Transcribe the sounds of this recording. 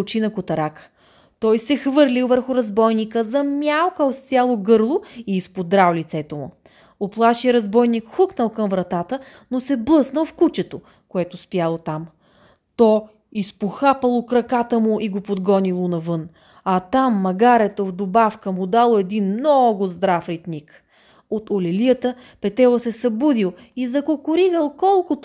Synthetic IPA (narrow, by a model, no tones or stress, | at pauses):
t͡ʃinɐkot̪ɐɾakə̥ | t̪ɔjsɛxvɤɾlʲilˠvəɾxʊɾɐzbɔjnikəzɐmʲjalˠkəot̪st̪sʲjalˠoɡɤɾlˠoiːspod̪ɾawlʲit̪sɛt̪omʊ̰ | oplˠaʃiəɾɐzbɔjnikxuknəlˠkəmvɾɐt̪at̪ə | nosɛblˠɤsnəlˠfkut͡ʃɛt̪o | koɛt̪ospjalˠot̪am | t̪ɔ | ispoxapəlˠokɾɐkat̪əmʊʔiɡopod̪ɡɔnilˠonɐvɤn | ɐt̪amːɐɡaɾɛt̪ovd̪obafkəmʊd̪alˠoɛd̪inmnɔɡʊzd̪ɾafɾit̪nik | ot̪olɛlijət̪ə | pɛt̪ɛvˠosɛsɐbud̪ilˠ | izɐkokʊɾiɡəlˠkɔlˠkʊt̪